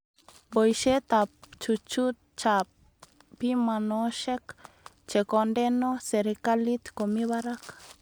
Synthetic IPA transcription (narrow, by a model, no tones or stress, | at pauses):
bojʃet̪apt͡ʃut͡ʃut̪̚t͡ʃa | pimanoʃek | t͡ʃekond̪enoseɾekalit̪komiβaɾak